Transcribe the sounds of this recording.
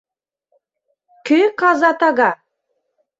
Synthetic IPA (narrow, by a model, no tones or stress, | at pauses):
køkɑzɑt̪ɑɣɑ